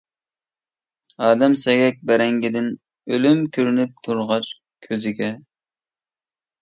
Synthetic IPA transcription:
ɑːd̪ɛmsɛɡʲɛk̚ʲbæɾɛŋɡʲɪd̪ɪn | ølymkʲʰøɾynyp̚t̪ʰuɾʁɑt͡ʃ | kʲʰøzɪɡʲɛ

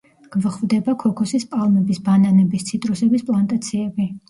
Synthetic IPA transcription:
ɡ̥vχvd̪ɛbakʰɔkʰɔsispʼalˠmɛbisbananɛbist̪sʰit̪ʼɾusɛbispʼlˠant̪ʼat̪sʰiɛbi

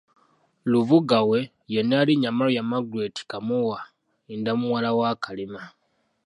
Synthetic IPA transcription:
luvuɡawe̞ | jenaaliɲamalojamaɡuɾeti̥kamuwa | indamuwalawaːkalima

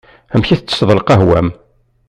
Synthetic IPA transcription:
æmçæθət͡sːə̥sðˤlqæɦwæ̰m

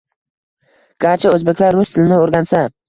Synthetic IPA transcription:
ɡ̥ʲaɾt͡ʃʰɪɵzbe̞kʲlaɾːʊst̪ʰɪlɪnɪoɾɡʲansa

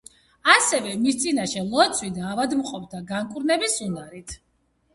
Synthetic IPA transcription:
asɛvɛmist̪sʼinaʃɛlˠɔt̪sʰwid̪aːvad̪mqʼɔpʰd̪ʰaɡaŋkʼuɾnɛbisunaɾit̪ʰ

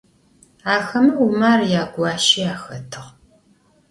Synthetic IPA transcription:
aːxɐmɐumaːrjaːɡʷɑːʃiaːxɐtʰɨʁ

